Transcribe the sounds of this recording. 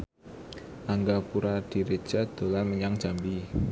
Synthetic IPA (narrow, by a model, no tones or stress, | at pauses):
ʔaŋɡapuɾad̪̥i̤ɾe̥ʒ̥a̤d̪̥o̤lanməɲaŋd̥ʒ̥a̤mbi